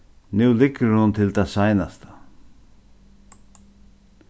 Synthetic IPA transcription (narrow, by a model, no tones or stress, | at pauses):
nʉːlɪkːəɾhʊnt̪ʰɪlt̪ʰasajnast̪ḁ